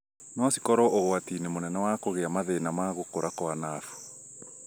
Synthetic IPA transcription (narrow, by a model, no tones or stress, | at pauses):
nɔsikɔɾɔʔoɣoatiːnemonɛnɛwakoɣeamaðenamaɣokoɾakoanafu̥